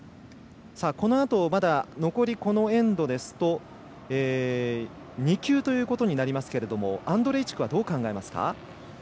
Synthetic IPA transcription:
saːko̞no̞at̪o̞mad̪ano̞ko̞ɾʲiko̞no̞ẽ̞nd̪o̞d̪e̞sɨ̥t̪o̞ | eː | ɲ̟ikʲɨːt̪o̞jɯ̟ːko̞t̪o̞ɲ̟inaɾʲimasɨ̥ke̞ɾe̞d̪o̞mo̞̰ãnd̪o̞ɾe̞ːt͡ɕi̥kɯ̟βad̪o̞ːkãŋɡae̞masɨ̥ka̰

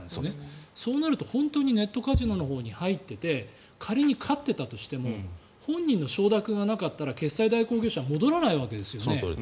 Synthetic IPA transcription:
nd̪esneso̞ːnaɾɯ̟t̪o̞hõ̞nt̪oːɲ̟ine̞t̪ːo̞kaʑino̞no̞ɦo̞ːɲ̟ihait̪ːe̞t̪e̞ | kʰaɾʲiɲ̟ikʰat̪ːe̞t̪at̪o̞ɕi̥t̪e̞mo̞ | hõ̞ɲ̟ːĩnːo̞ɕo̞ːd̪akɯ̟̃ɰ̃ɡanakat̪ːaɾake̞sːaid̪aiko̞ːɡʲe̞ːɕaβmo̞d̪o̞ɾanaiβake̞d̪e̞sɨjo̞ne̞

